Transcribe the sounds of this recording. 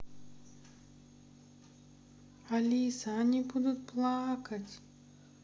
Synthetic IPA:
alʲiisanʲibud̪ʊt̪̚plˠakɐtʲ

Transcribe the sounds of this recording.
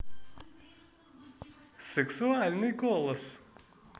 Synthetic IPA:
sʲɛksʊæːlʲnʲɪɡoːlˠɐs

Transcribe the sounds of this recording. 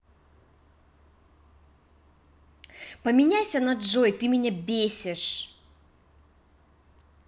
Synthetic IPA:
pəmʲɪnʲajsʲənɐd̪ʐojt̪ɨmʲɪnʲabʲesʲɪʂ

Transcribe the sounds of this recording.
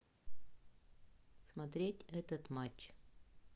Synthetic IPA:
smɐt̪ɾʲetʲɛt̪ət̪mat͡ɕː

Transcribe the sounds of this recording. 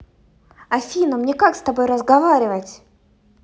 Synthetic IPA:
ɐfʲinəmnʲekakst̪ɐbojrəzɡɐvaɾʲɪvətʲ

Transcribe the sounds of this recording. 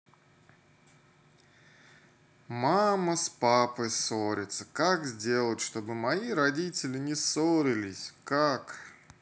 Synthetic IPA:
maməspapəjsoɾʲɪt̪sə̥kakzʲdʲe̞lˠətʲʂt̪o̞bɨmɐiɾɐdʲitʲɪlʲɪnʲɪsoɾʲɪlʲɪsʲkak

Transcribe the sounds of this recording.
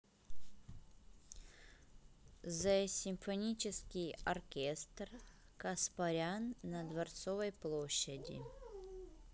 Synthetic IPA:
zəsʲɪmfɐnʲit͡ɕɪskʲijɐrkʲest̪r | kɐspɐɾʲanːɐd̪vɐrt̪sovəjplˠoɕːədʲɪ̰

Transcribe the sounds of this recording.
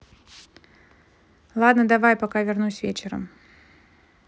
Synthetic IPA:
lˠad̪nəd̪ɐvajpakavʲɪrnusʲvʲet͡ɕɪɾə̰m

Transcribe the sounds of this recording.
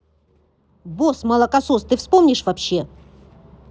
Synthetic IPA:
bosmɐlˠɐkɐsost̪ɨfspomnʲɪʂvɐpɕːe̞

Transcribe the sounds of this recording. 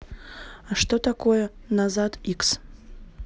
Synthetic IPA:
aʂtotakʰojɐnazadiks

